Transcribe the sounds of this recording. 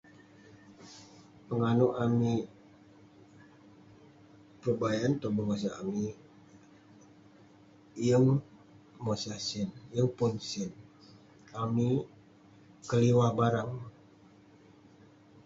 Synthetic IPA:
pəŋanuʔami | pubajant̪obəŋos̬aami | jəŋ | mosasɪnjəŋpʊnsɪn | ami | kəliwabaɾaŋ

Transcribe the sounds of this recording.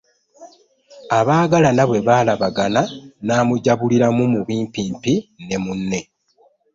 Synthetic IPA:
aβaːɡalanaβwe̞βaːlaβaɡananaːmuɟaβuliɾamumuβiːmpiːmpine̞munːe̞

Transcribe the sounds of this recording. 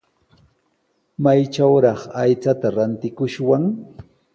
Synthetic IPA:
majt͡ʃawɾɑχajt͡sat̪aɾant̪ɪkʊʃwaŋ

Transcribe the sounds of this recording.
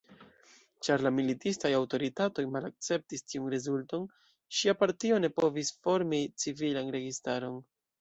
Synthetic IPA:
t͡ʃaɾlamilitistajawto̞ɾitato̞jmalak̚t͡se̞p̚tistiunɾezulto̞n | ʃiapaɾtio̞ne̞po̞visfo̞ɾmit͡sivilanɾe̞ɡistaɾo̞n

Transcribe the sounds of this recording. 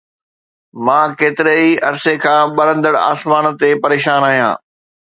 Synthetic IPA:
mãːkeːt̪ɪɾeiɐɾsekʰãːɓɐɾə̃nd̪əɽa̰ːsmaːnt̪epɐɾeːʃaːnaːɦijã̰ː

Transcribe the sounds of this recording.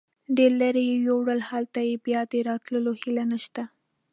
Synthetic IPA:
ɖ̪eɾlaɾejewowɽalhalt̪ajebjɑd̪əɾɑt̪ləlohilanaʃt̪a

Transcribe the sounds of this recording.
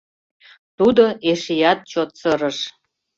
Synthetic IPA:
t̪ud̪oeʃijɑt̪̚t͡ɕot̪sɤɾə̆ʃ

